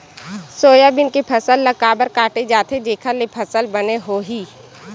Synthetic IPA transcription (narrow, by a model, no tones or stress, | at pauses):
soːjabɪnkipʰəsəlːəkaːbəɾkaːʈed͡ʒaːt̪ʰed͡ʒeːkʰalepʰəsəlbəneɦoːɦiː